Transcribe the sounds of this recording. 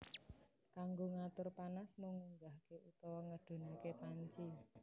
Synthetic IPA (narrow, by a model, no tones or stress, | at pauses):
kaŋɡoŋat̪ʊrpanasmuŋuŋɡahkeut̪ɔwɔŋəɖ̥o̤nakepaɲt͡ʃi